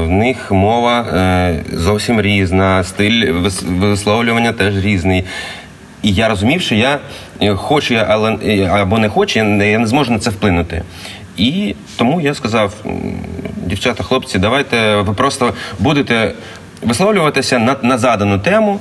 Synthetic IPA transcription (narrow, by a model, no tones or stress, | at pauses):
wnɪxmɔʋɐ | zɔwsʲimɾʲiznɐst̪ɪlʲʋʋɪslˠɔwlʲʊʋɐnʲːɐt̪ɛʒɾʲiznɪj | ijaɾɔzʊmʲiwʃt͡ʃɔja | xɔt͡ʃʊjʔɐlˠɛɐbɔnɛxɔt͡ʃʊjajanɛzmɔʒʊnɐt̪sɛwplˠɪnʊt̪ɪ̰ | i | t̪ɔmujaskɐzɑw | dʲiwt͡ʃat̪ɐxlˠɔpt͡sʲid̪ɐʋɑjt̪ɛʋɪpɾɔst̪ɔbud̪ɪt̪ɛ | ʋɪsˠɔwlʲʊʋɐt̪ɪsʲɐnɐnɐzɑd̪ɐnʊt̪ɛmʊ